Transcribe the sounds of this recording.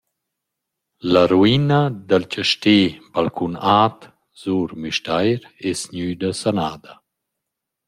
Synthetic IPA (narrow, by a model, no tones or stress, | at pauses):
laɾuinad̪alt͡ʃəʃteːbalkʰunaːt̪ | z̥uːɾmyʃtajɾ | ɛsɲyːd̪əsanaːd̪a